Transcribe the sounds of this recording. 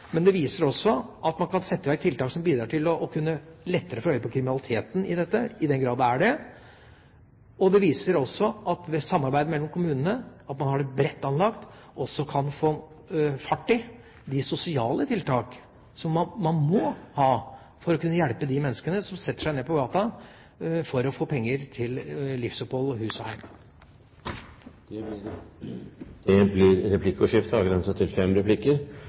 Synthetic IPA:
mɛnd̪ɛʋiːsəɾɔsːɔʔɑt̪mɑnkʰɑnsɛt̪ːəʋæɾk̚t̪ʰɪlt̪ɑːksɔmbiːd̪ɾɑʈʰɪlɔʔkʰʉnːəlɛt̪ːəɾəfɔɾœʏːəpʰɔkʰɾɪmɪnɑlˠɪt̪ʰeːt̪n̩ɪd̪ɛt̪ːəɪd̪ɛnɡɾɑːd̪æɖɛ | ɔd̪ɛʋiːsəɾɔsːɔʔɑt̪ʋɛsɑmːɑɾbæɪd̪əmɛlːɔmkʊmʉːnənəɑt̪mɑnhɑɖɛbɾɛt̪ːɑnlɑkt̪ | ʔɔsːɔkʰɑnfoː | fɑʈːɪ | d̪ɪsʊsɪɑːlət̪ʰɪlt̪ʰɑːk | sɔmːɑmɑnmɔhɑː | fɔɾɔkʉnːəjɛlpəd̪ɪmɛnːəskənəsɔmsɛt̪ːə̥ʂæɪneːpɔɡɑːt̪ɑ | fɔɾɔfoːpʰɛŋːəɾt̪ʰɪllɪfsʊpɔlɔɦʉːsɔhæɪm | ɛ | d̪̥ɛblɪɾɾɛpʰlɪkːʊʂɪft̪ɑːɡɾɛnsət̪ʰɪlfɛmɾɛpʰlɪkːəɾ

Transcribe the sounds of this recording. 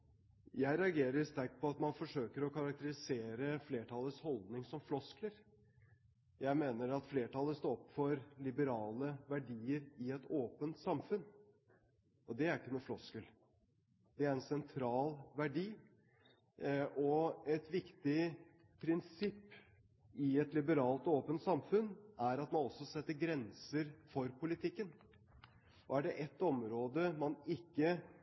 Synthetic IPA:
jæɪɾɛɑɡeːɾəɾst̪æɾk̚t̪̚pʰɔɑt̪mɑnfɔʂøːkəɾɔkʰɑɾɑkt̪əɾɪseːɾəfleːʈʰɑlːəshɔld̪nɪŋsɔmflɔskləɾ | jæɪmeːnəɾɑt̪fleːʈɑlːəst̪oːɔpfɔɾlɪbəɾɑːləʋæɖiːəɾɪɛt̪ʰoːpənt̪sɑmfʉn | ʔɔd̪ɛæɾɪkːənuːflɔskəl | d̪̥ɛæɾɾɛnsɛnt̪ʰɾɑːlʋæɖiː | ɔɛt̪ʋɪkt̪ɪ | pʰɾɪnsɪpː | ɪɛt̪lɪbəɾɑːlt̪oːpənt̪sɑmfʉnːæɾɑt̪mɑnɔsɔsɛt̪ːəɾɡɾɛnsəɾfɔɾpʰʊlɪt̪ʰɪkːən | ɔæɖɛʔɛt̪ːɔmɾoːd̪əmɑnɪkːə

